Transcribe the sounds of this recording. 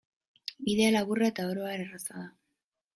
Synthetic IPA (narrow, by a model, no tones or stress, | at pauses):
biðe̞alaβuraet̪ao̞ɾo̞aeɾerasaða